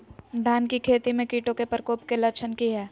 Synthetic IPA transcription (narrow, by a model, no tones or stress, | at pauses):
d̪ʱaːnkikʰeːt̪imẽkiːʈõkepəɾkoːpkelɐt͡ʃʰənkiɦɛː